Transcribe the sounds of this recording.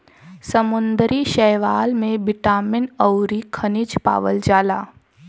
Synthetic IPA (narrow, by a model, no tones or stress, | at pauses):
səmʊnd̪ɾiʃɛɦʋaːlmẽbɪʈaːmɪnəwɾikʰɐnɪt͡ʃpa̰ːʋəld͡ʒaːlaː